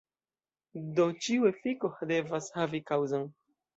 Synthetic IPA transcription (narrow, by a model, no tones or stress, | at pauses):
d̪ot͡ʃiwefikohd̪evashavikawzaŋ